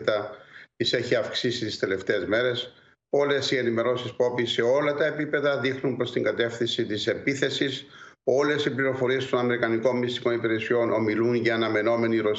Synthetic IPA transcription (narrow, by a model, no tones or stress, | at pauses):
t̪ɐt̪ise̞çiɐfksisit̪ist̪e̞le̞ft̪e̞ːzme̞ɾe̞s | o̞le̞sie̞nime̞ɾo̞sispo̞pise̞o̞lɐt̪ɐepipe̞ðɐðixnumpɾo̞st̪iŋɡɐt̪e̞fθinsit̪ise̞piθe̞siso̞le̞sipliɾo̞fo̞ɾie̞st̪o̞nɐme̞ɾikɐniko̞mmːist̪i̥ko̞nipiɾe̞sio̞nʔo̞̰milunʝɐːnɐme̞no̞me̞niɾo̞